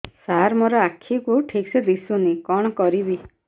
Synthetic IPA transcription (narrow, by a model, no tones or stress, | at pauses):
saɾmoɾɔakʰːikuʈʰiksed̪isunikɔɽ̃ɔkɔɾibi